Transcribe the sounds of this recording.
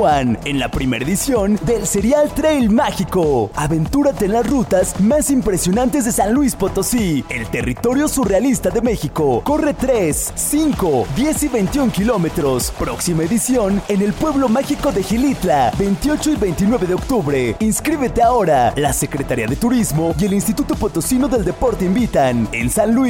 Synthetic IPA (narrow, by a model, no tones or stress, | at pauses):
ane̞nla̰pɾime̞ɾaeðisjo̞nd̪e̞lse̞ɾjalt̪ɾejlmaxikoaβe̞nt̪uɾat̪eːnlasrut̪azmasimpɾe̞sjo̞nãnt̪ezðe̞sanlwispo̞t̪osie̞̰lt̪e̞rḭt̪o̞ɾjo̞surealist̪aðe̞me̞xiko̞ko̞re̞t̪ɾesːiŋko̞ðje̞siβe̞jnt̪iuŋkilo̞me̞t̪ɾo̞spɾo̞ksimaeðisjo̞ne̞ne̞lpwe̞βlo̞maxiko̞ðe̞xilit̪labe̞jnt̪ijo̞t͡ʃo̞iβe̞jnt̪inwe̞βe̞ðeo̞kt̪uβɾe̞inskɾiβe̞t̪e̞ao̞ɾalase̞kɾe̞t̪aɾiaðe̞t̪uɾizmo̞je̞linst̪it̪ut̪o̞pot̪o̞sino̞ðe̞ld̪e̞po̞ɾt̪e̞imbit̪ane̞̰nsanlwi